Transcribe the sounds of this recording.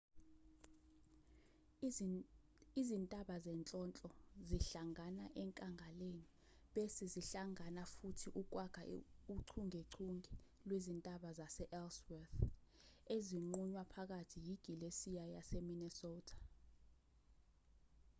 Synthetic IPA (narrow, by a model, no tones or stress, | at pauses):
izintʼaɓazɛnt͡ɬʼɔnt͡ɬʼɔziɬaŋanaʔɛŋkʼaŋʱaleni | ɓesiziɬaŋanafutʰiʔuk̬ʼwaɡ̥ʰʱauǀʰuŋʱeǀʰuŋɛ | lwezintʼaɓazasɛʔɛlswɛθ | eziŋ͡ǃuɲwapʰak̬atʰijiɡ̥ʱilesijajasɛminɛsɔːtʰḁ